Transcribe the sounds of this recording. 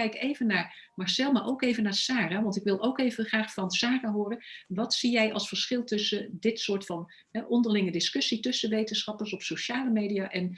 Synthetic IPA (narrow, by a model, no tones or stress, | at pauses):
ɛjkejvənaːɹ | mɑɹsɛlˠmaːɹʔowkejvənaːɹsaːraʋɑntɪkʋɪlˠʔowkejvəχraːχfɑnsaːraɦʊːrənʋɑtsijɛjʔɑ̰lˠsfəɹsχɪlˠtɵsədɪtsʊːɹtfɑn | ɦɛʔɔndəɹlɪŋədɪskɵsitɵsəʋejtənsχɑpəɹsɔpsowʃaːləmejdijaːʔɛn